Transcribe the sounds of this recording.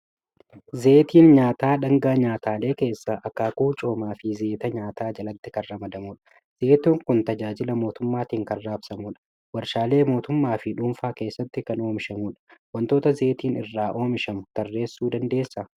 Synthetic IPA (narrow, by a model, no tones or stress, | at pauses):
ze̞ːt̪iːnɲaːt̪aːᶑɐŋɡaːɲaːt̪aːle̞ːke̞ːsːɐʔɐkːaːkuːt͡ʃʼo̞ːmaːfɪze̞ːt̪ɐɲaːt̪aːd͡ʒɐlɐt̪ːɪkɐnːɐmɐd̪ɐmuːᶑɐ̥ | z̥e̞ːt̪oːŋkʊnt̪ɐd͡ʒaːd͡ʒɪlɐmo̞ːt̪ʊmːaːt̪iːŋkɐnːaːbsɐmuːᶑɐ̥ | wɐɾʃaːle̞ːmo̞ːt̪ʊmːaːfɪᶑʊːmfaːke̞ːsːɐt̪ːɪkɐno̞ːmɪʃɐmuːᶑɐ̥wɐnt̪o̞ːt̪ɐze̞ːt̪iːnɪ̰rːaːʔo̞ːmɪʃɐmʊt̪ɐrːe̞ːsːuːd̪ɐnd̪e̞ːsːɐ